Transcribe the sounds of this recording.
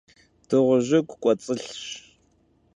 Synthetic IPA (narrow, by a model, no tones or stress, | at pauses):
d̥ɨʁʷʊʑɪkʷʰʼkʷʼɔt͡sʼɨɬɕ